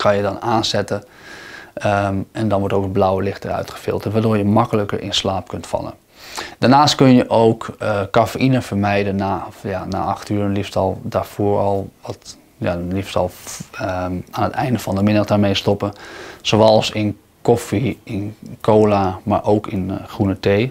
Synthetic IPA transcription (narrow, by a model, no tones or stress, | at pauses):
kʰanjədɔnaːnsɛtə | ɛndɔnʋɔɹtowkəblawəlɪxtərœ̰ɥtχə̥fɪ̰lˠtətʋaːdoːɹjəmɑkələkərʔɪ̰nslaːp̚kɵntfɑ̰lˠə̰n | d̥aːɹnaːstkønəjəʔowkkːafeʔinəfəɹmɛjdənajana̰ʔaxtyːɾənlifstɑlˠdaɹfoəɹɔlˠʋɔt | jalifstɑlˠ | anətɛ̰jndəfɑndəmɪnədaːɹmejstɔpəsoːɛlˠsɪn | kofiɪnkʰoːlamaːɹʔowkɪnxrunəteː